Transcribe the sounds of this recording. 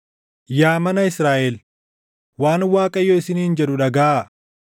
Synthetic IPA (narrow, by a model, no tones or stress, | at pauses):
jaːmɐnɐɪsɾaːʔɛl | waːnwaːkʼɐjːɔːɪsɪniːnd͡ʒɛᶑʊᶑɐɡaːʔ